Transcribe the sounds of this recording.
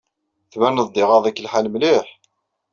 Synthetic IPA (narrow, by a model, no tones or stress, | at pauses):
θmænəd̪ˤːɪʁɑðˤækːəlħalmliħ